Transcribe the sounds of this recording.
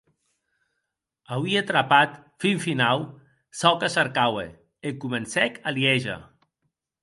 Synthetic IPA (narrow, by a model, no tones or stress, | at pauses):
awiat̪ɾapat̪fiɱfinaw | sɔkaseɾkawḛ | eŋkumensɛkalieʒa̰